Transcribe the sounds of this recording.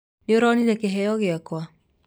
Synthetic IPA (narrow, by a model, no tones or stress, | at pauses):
neoɾɔnizɛkeɦɛjɔɣeakwa